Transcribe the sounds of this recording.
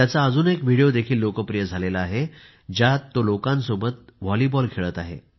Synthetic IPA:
jat͡saəd͡zuːnekʋiɽijod̪ekʰiːlːokəpɾijəd͡zʱalelaːɦe | d͡ʑjat̪ːolokãnsobət̪̚ʋɔlibɔlkʰeɭət̪aɦḛ

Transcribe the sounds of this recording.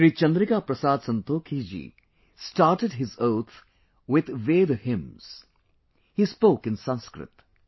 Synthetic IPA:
ɾiːt͡ʃɐ̃nd̪ɾɪkapɾɐsaːd̪sə̃nt̪oːkʰid͡ʒḭː | sʈaːɾʈəɖɦɪzoːt̪ʰ | wɪd̪ʋeːd̪hɪ̃mz̥ | hiːspoːkɪ̃nsãnskɾɪ̰t̪

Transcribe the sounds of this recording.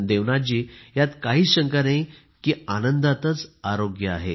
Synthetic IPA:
d̪eʋnad͡ʑiːjat̪kaɦiːɕəŋkəɾnai | kiːanənd̪at̪ət͡saɾoɡjəa̰ɦe

